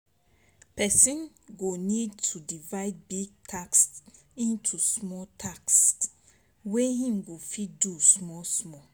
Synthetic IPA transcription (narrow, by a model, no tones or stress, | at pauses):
pɛsĩn | ɡonidtʰudivaɪd̚biɡ̚tʰakst | ĩntʰusmɔtʰakst | wehĩmɡofit̚dusmɔsmɔ